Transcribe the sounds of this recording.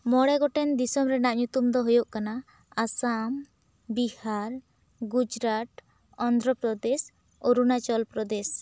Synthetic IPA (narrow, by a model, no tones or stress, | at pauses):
mɔɽɛɡɔʈɛnd̪isɔmɾɛnaʔɲut̪umd̪ɔɦujoʔkana | asam | bihaɾ | ɡud͡ʒɾaʈ | ɔnd̪ɾɔpɾɔd̪ɛs | oɾunat͡ʃɔlpɾɔd̪ɛs